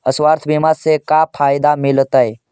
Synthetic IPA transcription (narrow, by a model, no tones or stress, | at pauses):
əswaːɾt̪ʰbimaɾsekapʰaːjd̪amɪlt̪əe